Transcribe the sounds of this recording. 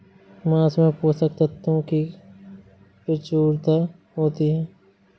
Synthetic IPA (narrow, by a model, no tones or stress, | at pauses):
mãːsmẽpoːsək̚t̪at̪ɦũki | pɪt͡ʃuːɾt̪a | ɦoːt̪iɦɛː